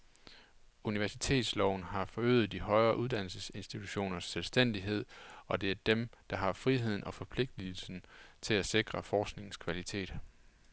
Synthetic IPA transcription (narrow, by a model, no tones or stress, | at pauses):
uniʋæɐsi̥t͡sʰe̝̰ːd̥slɒʊn̩ɦɑ̈fɒ̽ø̰ːð̩ˠd̥iɦɒ̽ɪɐːʔuðˠd̥æn̰l̩səse̝nsd̥it͡sʰuɕo̝̰ːnɐsːelsd̥en̰d̥iɦe̝ð̞̰ˠɒ̽d̥e̝æɐd̥emd̥ɑ̈ɦɑ̈fʁiɦe̝ð̰ˠn̩ʔɒ̽fɒ̽pʰle̝ɡ̥̚d̥il̩sn̩t͡sʰe̝læse̝ɡ̥ʁɐfɒːsɡ̥ne̝ŋn̩skʰʋælit͡sʰe̝̰ːd̥